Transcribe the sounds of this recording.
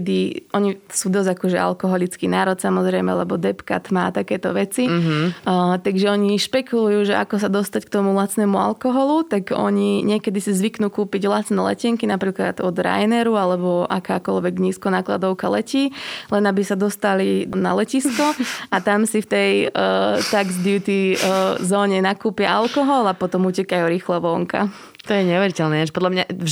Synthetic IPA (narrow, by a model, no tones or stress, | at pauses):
d̪iʔɔɲisuːd̪ɔzakɔʒɛa̰lkɔɦɔlit͡skiːnaːɾɔt̪samɔzɾɛjmɛ̰lɛ̰bɔd̪ɛpka̰t̪maːt̪akɛːt̪ɔʋɛt͡si | t̪aɡʒɛɔɲiʃpɛkulujuːʒɛʔa̰kɔsad̪ɔst̪ack̚t̪ɔmulat͡snɛmua̰lkɔɦɔlut̪aɡɔ̰ɲiɲɪɛkɛd̪isizʋiknuːkuːpiɟvlat͡snɛːlɛ̰cɛŋkinapɾiːkla̰d̪ɔd̪ɾa̰jnɛɾualɛbɔʔakaːkɔ̰lʋɛɡɲiːskɔnaːkla̰d̪ɔʊkalɛciːlɛnabisad̪ɔst̪alina̰lɛciskɔat̪amsift̪ɛj | t̪aɡzd̪ɪut̪izɔːɲɛnakuːpɪaʔalkɔɦɔlapɔt̪ɔmucɛkajuɾiːxlɛʋɔːŋka̰ | t̪ɔjɛɲɛʋɛɾicɛlnɛaʒpɔd̪lamɲa